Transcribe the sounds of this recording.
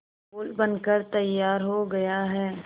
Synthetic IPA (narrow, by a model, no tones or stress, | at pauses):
oːlbɐnkəɾt̪ɐjːaːɾɦoɡɐjaɦɛː